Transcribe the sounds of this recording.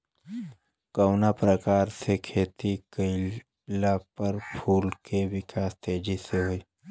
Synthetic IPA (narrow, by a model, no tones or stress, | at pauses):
kəʊnapɾəkaːɾsekʰeːt̪ikəɪ | lapɐɾpʰuːlkeʋɪkaːst̪eːd͡ʒiseɦoiː